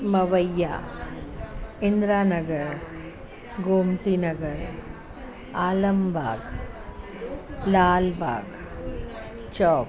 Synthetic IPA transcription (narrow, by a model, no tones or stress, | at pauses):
mɐʋɐjːa̰ː | ind̪ɾaːnɐɡɐɾ | ɡoːmt̪inɐɡɐɾ | aːlɐmbʱaːɡ | laːlbʱa̰ːɡ | t͡ʃɔːk